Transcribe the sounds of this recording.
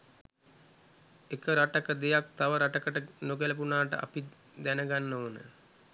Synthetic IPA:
ekəɾaʈəkəd̪ejak̚t̪aʋəɾaʈəkəʈənoɡeləp̬unaːʈə̰ʔa̰pi | d̪ænəɡanːoːnə̰

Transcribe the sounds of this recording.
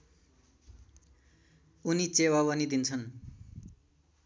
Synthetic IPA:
unit͡sewaβʌnid̪int͡sʰʌn

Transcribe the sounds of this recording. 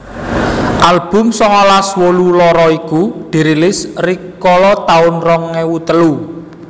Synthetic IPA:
ʔalb̥ʊ̤msɔŋɔlaswolulɔɾɔikud̪̥i̤ɾilɪsrikɔlɔt̪aʊnrɔŋːewut̪əlu

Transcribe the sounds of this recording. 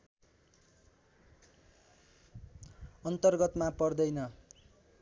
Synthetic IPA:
ʌnt̪ʌrɡʌt̪mapʌrd̪ʌjnʌ

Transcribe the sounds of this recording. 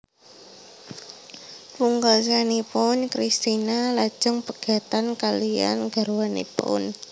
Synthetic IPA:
puŋɡɔs̬anipʊnkɾist̪inalad̥ʒ̥ɔŋpəɡ̥a̤t̪ankalia̰nɡ̥a̤ɾuwanḭpʊ̰n

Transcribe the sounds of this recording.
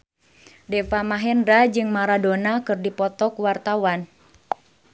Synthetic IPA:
dɛfamaɦɛndɾad͡ʒɨŋmaɾadonakɨrdipɔt̪ɔkuwart̪awan

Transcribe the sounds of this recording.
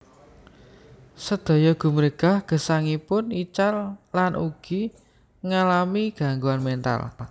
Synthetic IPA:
səd̪̥ɔ̤jɔɡ̥ṳməɾeɡ̥ahɡ̥ə̤saŋipʊnit͡ʃallanʔṵɡ̥i | ŋalamiɡ̥a̤ŋɡuanmɛnt̪a̰l

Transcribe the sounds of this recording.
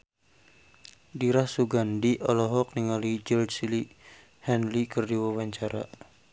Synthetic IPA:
diɾahsuɡandiʔɔlɔɦɔk̚niŋalid͡ʒəldsili | hɛnlikərdiwawaɲt͡ʃaɾa̰

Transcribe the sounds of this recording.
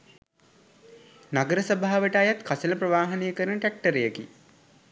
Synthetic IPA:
naɡəɾəsəbʱaɦːaʋəʈajat̪kʰasələpɾəʋaːɦɐnejəkəɾənəʈæk̚ʈəɾejəki

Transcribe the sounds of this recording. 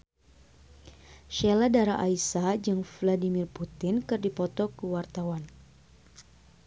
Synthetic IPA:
ʃeladaɾaʔaisad͡ʒɨŋvladimirput̪ɪnkɨrdipɔt̪ɔkəwart̪awan

